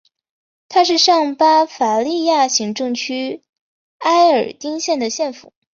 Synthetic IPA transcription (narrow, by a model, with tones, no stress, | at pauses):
t̪ʰa˥ʂɻ̩˥˧ʂɑ˥˩ŋpa˥fa˨˧˩li˥˧ja˥˩ɕi˧˥ŋʈ͡ʂɤ˥˧ŋt͡ɕʰy˥ | a˥ɪə˞˨˩t̪i˥ŋɕjɛ˥˩nd̪ə˩ɕjɛ˥˩nfṵ˨˩˦